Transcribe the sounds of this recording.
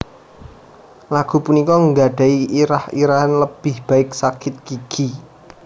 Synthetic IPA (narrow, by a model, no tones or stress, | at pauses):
laɡ̥ṳpunikɔŋɡaɖ̥a̤iʔiɾahḭɾaɦanləb̥ɪhb̥a̤ɪksakɪt̪̚kiɡ̥i